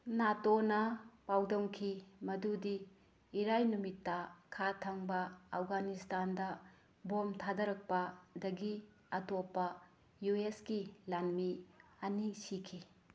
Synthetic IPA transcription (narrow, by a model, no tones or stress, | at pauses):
natonɐpawdɐŋkʰimɐdudiː | ɾajnumitːɐkʰatʰɐŋbɐːfɡanistandɐ | bomtʰadɐɾɐk̚pɐdɐɡi | ɐtopːɐ | jueskilanmiɐnisikʰi